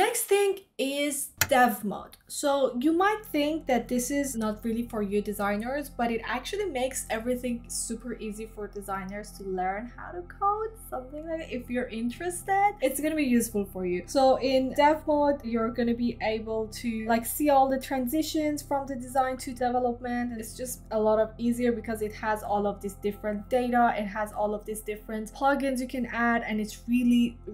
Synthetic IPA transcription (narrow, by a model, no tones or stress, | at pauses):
nɛksθɪ̃ŋɪzd̥ɛvmo̰d̥soʊjɨmaɪt̪̚θɪ̃ŋk̚ðɨt̪̚ðɪsɪznət̚ɹɪlˠifə˞jɨdɨzãɪ̃nə˞zb̥ʌɾɨɾæ̰k̚t͡ʃʉl̩ˠimeɪksɛvɹiθɪ̃ŋsʉpʰə˞ʔizifə˞dɨzãɪ̃nə˞z̥tʰɨlɜ̃˞nha̰ʊɾɨkʰoʊtsʌ̃mθɪ̃ŋlaɪɾɪfjə˞ʔɪ̃nt͡ʃɹ̥ɨstɪd̥̚ɨtsɡ̥ʌñɨbijʉsfəl̩ˠfə˞jʉsoʊʔɪ̃ndɛfodjə˞ɡʌnɨbiʔeɪbəl̩ˠtʰɨlaɪksiɔlˠðətʰɹ̥æ̃nzɪʃɨ̃nz̥fɹʌ̃mðɨdɨzãɪ̃ntʰɨdɛvɛlˠəp̚mɨ̃ntɨ̃tsd̥ʒ̥ʌstəlɔɾʌviziə˞bɨkʰʌzɨt̚həzɔlˠʌvðisd̥ɪfɹɨ̃nd̥eɪɾəɪ̃t̚ɦəzɔlˠʌvðisd̥ɪfɹɨ̃ntpʰl̥ʌɡɪ̃nzjɨkʰɨ̃næɾɨ̃nɨtsɹilˠi